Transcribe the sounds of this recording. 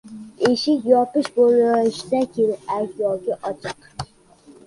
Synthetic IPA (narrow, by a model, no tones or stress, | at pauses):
eʃɪkʲjɒpɨʃbolˠʃd̪ɛkʲelɪpækʲjɒɡʲɛʔɒt͡ʃʰɨq